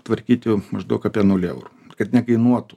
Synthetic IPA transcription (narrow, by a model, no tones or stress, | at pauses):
t̪ʋɐɾʲkʲiːt̪ʲɪmɐʒd̪ɐʊkɑːpʲiɛnuːlʲɛ̰ʊɾukɐt̪nʲɛkɐɪnuɔt̪ʊ